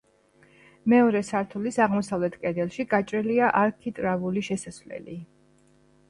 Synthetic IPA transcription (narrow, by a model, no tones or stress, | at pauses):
mɛɔɾɛsaɾt̪ʰulisaʁmɔsavlɛt̪ʰkʼɛd̪ɛlˠʃiɡat͡ʃʼɾɛliaʔaɾkʰit̪ʼɾavuliʃɛsasvlɛ̰li